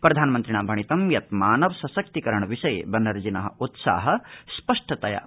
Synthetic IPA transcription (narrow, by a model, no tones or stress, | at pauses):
pɾɐd̪ʱaːnɐmɐnt̪ɾiɳaːmbʱɐɳ̃it̪ɐmjɐt̪̚maːnɐʋɐsɐsɐk̚t̪ikɐɾɐɳɐʋiʃɐj̰bɐnːɐɾd͡ʒinɐɦɐ̰ʔut̪sa̰ːɦɐspɐʂʈɐt̪ɐjɐ̰